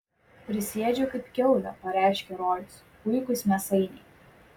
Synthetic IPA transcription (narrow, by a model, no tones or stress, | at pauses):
pʲɾʲɪsʲeːd͡ʒʲokɐɪpkʲɛʊlʲɐpɐɾʲæɪʃʲkʲɛɾɔlʲs | pʊɪkʊsmʲɛsɐɪnʲɛɪ